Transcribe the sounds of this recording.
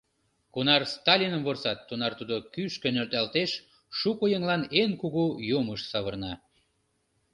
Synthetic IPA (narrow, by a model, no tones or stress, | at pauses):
kunɑrst̪ɑlʲinəmvorsɑt̪ːunɑrt̪ud̪okyʃkø̆nølt̪ɑlt̪eʃ | ʃukojəŋlɑnenkuɣujoməʃsɑβərnɑ